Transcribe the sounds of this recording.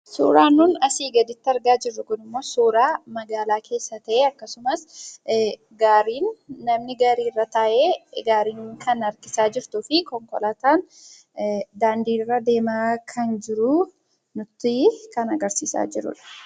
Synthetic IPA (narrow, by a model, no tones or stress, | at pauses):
sṵːɾaːnːuːnɐsiːɡɐd̪ɪt̪ːɪɐɾɡaːd͡ʒɪrːʊkʊnɪmːo̞ːsuːɾaːmɐɡaːlaːkʰe̞ːsːɐt̪ɐʔeːɐkːɐsʊmɐs | ɡaːɾiːnːɐmnɪɡaːɾiːrːɐt̪aːʔeːɡaːɾiːŋkɐnɐɾkɪsaːd͡ʒɪɾt̪ʊfɪkɔŋkɔlaːt̪aːn | d̪aːnd̪iːrːɐd̪e̞ːmaːkʰɐnd͡ʒɪɾʊ | nʊt̪ːɪkɐnɐɡɐɾsiːsa̰ːd͡ʒɪɾʊ̰ᶑɐ̥